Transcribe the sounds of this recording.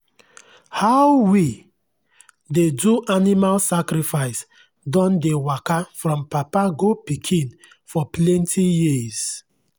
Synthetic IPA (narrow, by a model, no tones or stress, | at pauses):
hawwi | deduʔanimalsakɾifaɪs | dɔ̃ndewakafɹɔ̃mpapaɡopikʰĩn | fɔplɛ̃ntʰijiz̥